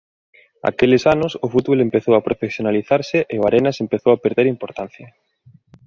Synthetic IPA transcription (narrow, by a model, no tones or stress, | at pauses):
a̰kelɪsanʊsʊfut̪βolempeθowapɾofesjonaliθaɾsɪʔeoaɾenɐsempeθowapeɾðeɾimpoɾt̪an̟θjɐ